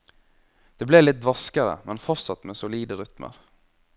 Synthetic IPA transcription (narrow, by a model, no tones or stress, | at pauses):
d̪̥eːbleːlɪt̪̚d̪ʋɑskəɾə̰mʔɛnfɔɾt̪sɑt̪meːsʊliːd̪əɾʏt̪mə̰ɾ